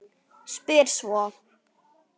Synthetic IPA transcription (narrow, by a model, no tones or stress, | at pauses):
spidswɔ